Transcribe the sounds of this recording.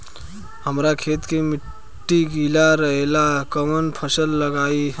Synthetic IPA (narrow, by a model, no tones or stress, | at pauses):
ɦəmɾakʰet̪kemi | ʈːiɡilaɾəɦelakəmənpʰəsəlːəɡai